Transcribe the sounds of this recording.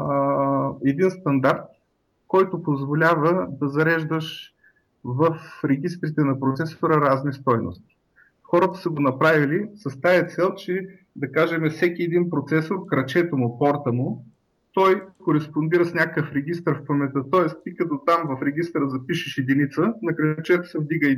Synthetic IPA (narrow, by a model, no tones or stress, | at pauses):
ɛd̪inst̪ɐnd̪aɾt̪̚ | kɔjt̪ʊpozvolʲavəd̪ɐzɐɾɛʒd̪əʃ | vɐfɾɛɡ̟ʲis̬t̪ɾit̪ɛnɐpɾot̪sɛsoɾəɾaznist̪ɔjno̰st̪i̥ | xɔɾət̪ə̥sɐɡonɐpɾavilisɐst̪aɛt̪sɛlˠt͡ʃɛ | d̪ɐkaʒɛmɛfsɛkʲiɛd̪inpɾot̪sɛsoɾkɾɐt͡ʃɛt̪omʊpɔɾt̪əmʊ | t̪ɔjkoɾɛspond̪iɾəsnʲakkəfɾɛɡʲist̪əɾfpɐmɛt̪ət̪ɔɛst̪ikɐt̪ɔt̪amvɐfɾɛɡʲist̪ɾəzɐpiʃɪʃid̪init̪sənɐkɾɐt͡ʃɛt̪o̥sɛvd̪iɡə